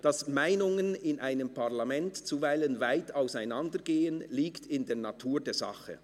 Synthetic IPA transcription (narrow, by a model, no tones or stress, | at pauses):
d̥ɑsmaɪnʊŋənɪnʔaɪnəmpʰaʁlamɛntt͡suvaɪlənvaɪtaʊsaɪnandəɡeːənliːktʰɪndeːɐnatʰuːdeːɐzɑ̰χə̰